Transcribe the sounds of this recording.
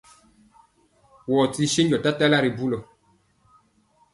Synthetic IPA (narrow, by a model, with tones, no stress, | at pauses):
wɔ˨ti˧ʃi˦n˦d͡ʒɔ˨ta˦ta˦la˦ɾi˨bu˦lɔ˨